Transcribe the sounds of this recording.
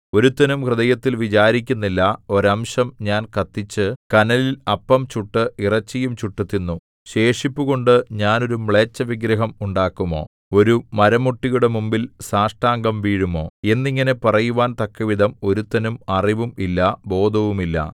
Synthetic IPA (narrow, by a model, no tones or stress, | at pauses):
o̞ɾut̪ːɐnumkrɨðɐjɐt̪ːilʋit͡ɕaːɾikʲːunːilːɐo̞ɾɐmɕɐmɲaːnkɐt̪ːit͡ɕːɨkɐnɐlilɐpːɐmt͡ɕuʈːɨirɐt͡ɕːijumt͡ɕuʈːut̪ːinːu | ɕe̞ːʂipːuɣo̞ɳɖɨɲaːno̞ɾumɭeːt͡ɕːɐʋiɡɾɐɦɐmuɳɖaːkːumo̞̰ː | o̞ɾumɐɾɐmuʈːijuɽe̞mumbilsaːʂʈaːŋɡɐmʋiːɻumo̞ːe̞nːiŋːɐnepɐrɐjuʋaːnt̪ɐkːɐʋid̪ʱɐmo̞ɾut̪ːɐnumɐriʋumilːɐbo̞ːd̪ʱɐʋumilːɐ̰